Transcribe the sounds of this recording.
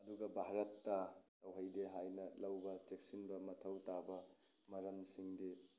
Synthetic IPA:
ɐduɡɐbʱaɾɐtːɐtɐwɦɐjdeɦajnɐlɐwbɐtek̚sinbɐmɐtʰɐwtabɐ | mɐɾɐmsiŋde

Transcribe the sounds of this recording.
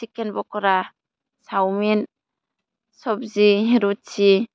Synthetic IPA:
sikenbɔkɔɾa | sawmen | sɔb̚ziɦeɾut̚t͡ʃi

